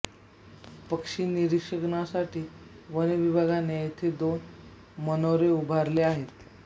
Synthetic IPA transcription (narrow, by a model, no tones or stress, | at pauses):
pəkʂiːniɾikʂəɡnasaʈʰiː | ʋəneʋibʱaɡanejet̪ʰed̪on | mənoɾeubʱaɾleaɦet̪